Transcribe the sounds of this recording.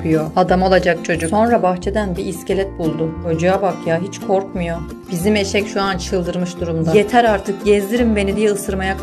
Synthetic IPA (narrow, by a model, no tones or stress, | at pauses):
ɯjoad̪amo̞lˠad͡ʒak̚t͡ʃʰo̞d͡ʒuso̞nɾabaxt͡ʃʰe̞d̪ænbiːscʰe̞lʲɛt̪̚bulˠd̪ʊod͡ʒujabakjaɦit͡ʃkʰo̞ɾkmujo̞ | b̥izime̞ʃɛcʃuant͡ʃʰɯlˠd̪ɯɾmɯʃd̪uɾumd̪aje̞t̪ʰæɾaɾt̪ʰɯkɟɛzd̪iɾimbe̞nid̪ijɛɯsɯɾmajak